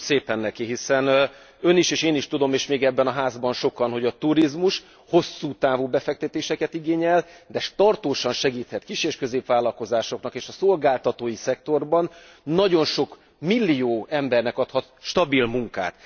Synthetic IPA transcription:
seːpɛnːɛkiɦisɛn | ø̞niʃeːʃeːniʃt̪ud̪o̞meːʃmeːɡɛbːɛnɒɦaːzbɒnʃo̞kɒnho̞ɟɒt̪uɾizmuʃ | ho̞sːuːt̪aːvuːbɛfɛk̚t̪ɛt̪eːʃɛkɛt̪iɡeːɲɛld̪ɛʃt̪ɒrt̪oːʃɒnʃɛɡiːt̪hɛt̪kiʃeːʃkø̞zeːpʋaːlːɒlko̞zaːʃo̞knɒkeːʃɒsolɡaːlt̪ɒt̪oːjisɛkt̪o̞rbɒnː | ɒɟo̞nʃo̞k | milːijoːɛmbɛrnɛkɒt̪hɒt̪ʃt̪ɒbilmuŋka̰ːt̪

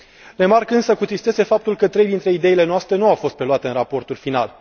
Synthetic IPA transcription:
re̞markɨnsəkut̪ɾist̪e̞se̞fap̚t̪ulkət̪ɾe̞jd̪int̪ɾe̞id̪e̞ile̞noast̪ɾe̞nuawfo̞st̪pɾe̞luat̪eɨnrapo̞rt̪ulfina̰l

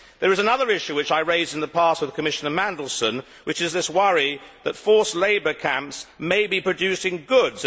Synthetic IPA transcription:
ðə˞ɨzənʌðə˞ɪʃʉwɨt͡ʃaɪɹeɪzɨ̃nðəpʰɑˑs̚wɨð̥kʰəmɪʃənəmæ̃ndˡl̩ˠstə̃n | wɨt͡ʃɨzðɪswʌɹiðətfɔɹsleɪbə˞kʰæ̃mpsmeɪbipʰɹ̥ɨdʉˑsɪ̃ŋɡʊdz

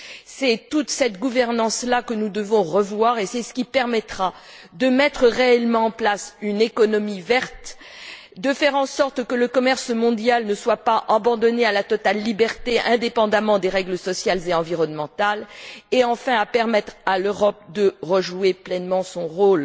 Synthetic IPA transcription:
sɛt̪ut̪sɛt̪ɡuvɛʁnɑ̃slakənud̪əvɔ̃ʁəvwaʁesɛsə̥kʲipɛʁmɛt̪χad̪əmɛt̪χəʁeɛlmɑ̃ɑ̃plasynekɔnɔmivɛʁt̪ | d̪əfɛʁɑ̃sɔʁt̪kələkɔmɛʁsmɔ̃d̪jalnəswapaʔabɑ̃d̪ɔnealat̪ɔt̪alːibɛʁt̪eɛ̃d̪epɑ̃d̪amɑ̃d̪eʁɛɡləsɔsjalzeɑ̃viʁɔnmɑ̃t̪aleɑ̃fɛ̃apɛʁmɛt̪χaløʁɔp̚d̪əʁəʒueplɛnmɑ̃sɔ̃ʁol

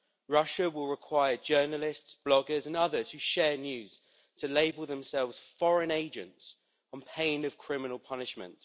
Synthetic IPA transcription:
ɹʌʃəwɪlˠɹɪkʰw̥aɪəd͡ʒɜːnəlɪstsb̥lɒɡəzə̃nʌðəz̥hʉʃɛːnjʉːz̥ | tʰəleɪbəlˠðə̃msɛlˠvz̥fɒɹə̃neɪd͡ʒə̰̃nts | n̩pʰẽɪ̃nəv̥kʰɹ̥ɪmɪnəlˠpʰʌnɪʃmə̰̃nt

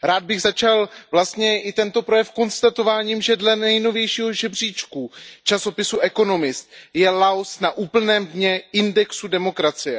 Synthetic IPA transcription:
ɾaːd̪̚bɪɣzat͡ʃalvlast̪ɲɛʔɪt̪ɛnt̪o̞pɾo̞jɛfko̞nst̪at̪o̞vaːɲiːmʒɛdlɛnɛjno̞vjɛjʃiːɦo̞ʒɛbr̝iːt͡ʃkut͡ʃaso̞pɪsuʔɛko̞no̞mɪst̪̚jɛlaosnaʔuːpl̩nɛːmdɲɛɪndɛksudɛmo̞kɾat͡sɪjɛ

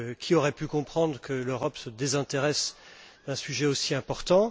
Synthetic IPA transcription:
kʲʰiɔʁɛpykɔ̃pχɑ̃d̪ʁkəløʁɔpsəd̪ezɛ̃t̪eʁɛsd̪̥ɛ̃syʒɛosiɛ̃pɔʁt̪ɑ̃

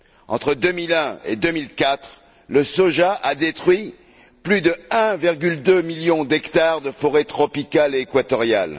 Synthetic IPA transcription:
ɑ̰̃t̪χəd̪ømilɛ̃ḛd̪ømilkat̪χ | ləsoʒaʔad̪et̪χɥi | plyd̪əɛ̃viʁɡʲyld̪ømiljɔ̃d̪ɛkt̪aʁd̪əfɔʁet̪χɔpikaleːkwat̪ɔʁja̰l

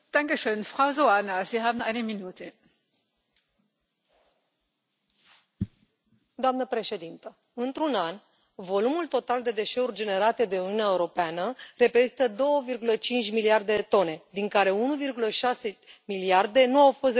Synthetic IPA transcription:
d̪̥aŋkeʃøːnfʁ̥awzoanaziɦaːbn̩aɪneminuːt̪ʰe | d̪oamnəpɾe̞ʃe̞d̪int̪ə | ɨnt̪ɾunanʲ | vo̞lumult̪o̞t̪ald̪e̞d̪e̞ʃe̞urʲd͡ʒe̞ne̞ɾat̪ed̪e̞uniuunʲaeuɾo̞peanəre̞pɾezit̪əd̪o̞wəvirɡulət͡ʃint͡ʃʲmiliard̪e̞t̪o̞ne̞d̪iŋkaɾe̞unuvirɡuləʃase̞miliard̪e̞nuawfo̞st̪

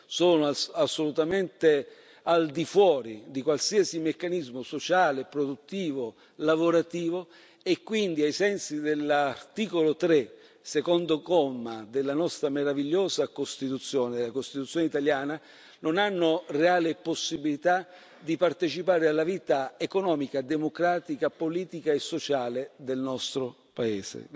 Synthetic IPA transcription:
soːnoasːolut̪ament̪e | ald̪ifwɔːɾid̪ikwalsiːasimekːanizmosot͡ʃaːlepɾod̪ut̪ːiːvo | lavoɾat̪iːvo | ekːwind̪iajsɛnsid̪elːart̪iːkolot̪ɾe | sekɔnd̪okɔmːad̪eɪlːanɔst̪ɾameɾaviʎːoːzakost̪it̪ut̪sːjoːned̪elakost̪it̪ut̪sːjoːneit̪aljaːna | nonanːʊreaːlɪposːibilit̪a | d̪ipart̪et͡ʃipaːɾealːaviːt̪aekonɔːmikad̪emokɾaːt̪ikapoliːt̪ikaesːot͡ʃaːled̪elnɔst̪ɾo | paeːsḛ

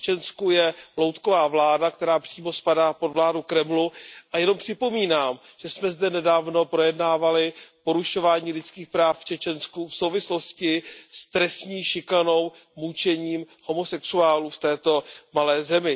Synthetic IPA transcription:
t͡ʃɛnskujɛlo̞wt̪ko̞vaːvlaːdakt̪ɛɾaːpr̥iːmo̞spadaːpo̞dvlaːdukɾɛmluʔajɛno̞mpr̝̥ɪpo̞miːnaːm | ʒ̥ɛsmɛzdɛnɛdaːvno̞pɾo̞jɛdnaːvalɪpo̞ɾuʃo̞vaːɲiːlɪt͡skiːxpɾaːfft͡ʃɛt͡ʃɛnskufsowvɪslo̞scɪst̪ɾɛsɲiːʃɪkano̞w | mut͡ʃɛɲiːm | ho̞mo̞sɛksuaːluːft̪ɛːt̪o̞malɛːzɛmɪ

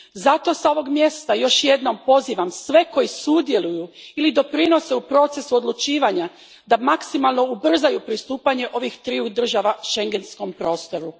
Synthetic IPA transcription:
zat̪o̞sao̞ʋo̞ɡmje̞st̪ajo̞ʃje̞d̪no̞mpo̞ziːʋamsʋe̞ko̞jisud̪je̞lujuilid̪o̞pɾino̞se̞upɾo̞t̪se̞suo̞d̪lˠut͡ʃiːʋaɲa | d̪amaksimalˠno̞ubr̩zajupɾist̪uːpaɲe̞ʔo̞ʋixt̪ɾiud̪r̩ʒaʋaʃe̞ŋɡe̞nsko̞mpɾo̞ːst̪o̞ɾu

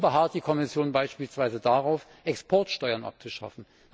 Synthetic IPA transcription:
bəɦaɐt̚d̥iːkʰɔmɪsjoːnbaɪʃpiːlsv̥aɪzədaːʁaʊf | ʔɛkspʰɔɐtʃtɔʏɐnʔa̰p̚t͡suʃa̰fn̩

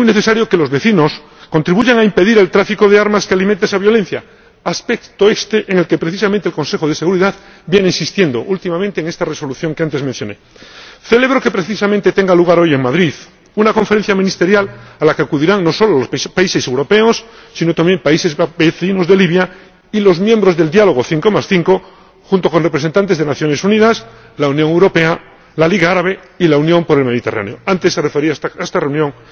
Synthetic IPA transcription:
emujneθe̞saɾjo̞ke̞lo̞zβe̞θino̞s | kont̪ɾiβuʝaŋaimpe̞ðiɾe̞lt̪ɾafiko̞ðeaɾmaskealimẽnt̪eesaβjolẽ̞n̟θja | aspekt̪oest̪eʔeŋe̞lke̞pɾe̞θisament̪elko̞nse̞xoð̞e̞se̞ɣuɾiðað | bje̞neinsist̪je̞nd̪o̞ʔult̪imamẽnt̪eːŋe̞st̪areso̞luθjo̞ŋkeant̪e̞zmẽn̟θjo̞neθe̞le̞βɾoke̞pɾe̞θisamẽnt̪e̞t̪e̞ŋɡaluɣ̞aɾo̞je̞ŋmaðɾið | unako̞ɱfeɾen̟θjamĩnist̪e̞ɾjalalakeakuð̞iɾaŋnːo̞so̞loalospaise̞se̞wɾo̞pe̞osːino̞t̪ambje̞mpaise̞zbeθinozðeliβja | ilo̞zmje̞mbɾo̞zðe̞ld̪jalo̞ɣ̞oθiŋko̞masθiŋko̞ | xunt̪o̞ko̞nrepɾese̞nt̪ant̪e̞zðenaθjo̞nesuniðas | launjoŋe̞wɾo̞pe̞a | laliɣaaɾaβe̞ | ilaunjõ̞mpo̞ɾe̞lmeðit̪e̞ra̰neoant̪e̞sːerefeɾiaest̪areunjõ̞ŋ

